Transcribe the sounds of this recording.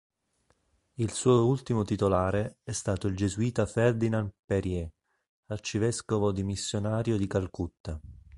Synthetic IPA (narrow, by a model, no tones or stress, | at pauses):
ilsuːoult̪imot̪it̪olaːɾeɛst̪aːt̪oild͡ʒezuiːt̪afɛrd̪inanpeɾjɛ | art͡ʃivɛskovod̪imisːjonaːɾjod̪ikalkut̪ːa